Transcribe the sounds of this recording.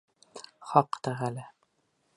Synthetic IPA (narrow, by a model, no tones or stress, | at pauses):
χɒqt̪æʁælɘ